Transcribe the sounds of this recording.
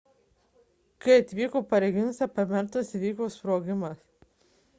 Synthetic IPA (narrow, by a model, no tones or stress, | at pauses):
kɐɪɐt̪ʲʋʲiːkoːpɐɾʲɛɡʲɪnʊsʲɛpɐmʲɛɾt̪ɐsʋʲiːkoːspɾoːɡʲɪmɐs